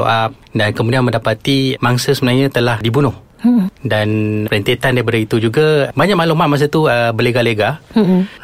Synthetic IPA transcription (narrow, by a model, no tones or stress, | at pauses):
o̰ʔap̚dankəmũdianmə̃ndapat̪imaŋsəsəbənaɲãt̪əlahdibunʊh | danpəɾənt̪et̪andaip̬adait̪ud͡ʒuɡabaɲãʔmalomaʔ̚mãs̬at̪uəbəleɡaleɡa